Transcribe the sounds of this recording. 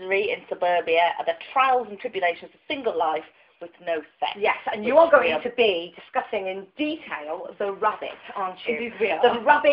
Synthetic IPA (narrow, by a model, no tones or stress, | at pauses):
ɹiɪ̰̃nsəbɜːbiəə̰ðətʰɹ̥aɪlˠzə̃ntʰɹ̥ɪbjəleɪʃə̃nz̥ə̥sɪ̃ŋɡəlˠlaɪf | wɪðnoʊsɛ̰jɛsə̃njəəɡoʊɪ̃tʰəbidɪskʌsɪ̃ŋɪ̃nd̥itʰeɪlˠðəɹʌbɪ̰tɑ̃ˑnt͡ʃɨðəɹʌbɪ